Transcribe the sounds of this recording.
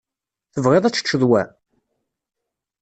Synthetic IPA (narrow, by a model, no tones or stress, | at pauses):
θəvʁeðˤæt͡sːə̥t͡ʃːəðˤwæ